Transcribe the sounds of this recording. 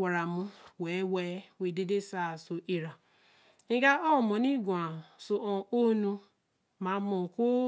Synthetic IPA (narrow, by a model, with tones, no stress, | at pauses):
a˨ɾa˨mʊ̃˦we˨˦we˨˦we˨de˦de˦sa˦˨so˨ʔi˨ɾa˨ | ŋ̩˦ɡa˦ɔ˦˨mɔ˨ni˦ɡu˨a˨so˨ʔɔ̃˨o˦nu˦ | ma˨˦mɔ˨ko˦